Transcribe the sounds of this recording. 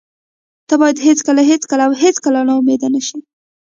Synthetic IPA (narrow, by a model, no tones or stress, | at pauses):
t̪abɑjad̪ɦet͡skalaɦet͡skəlaːwɦet͡skalanaumed̪anaʃi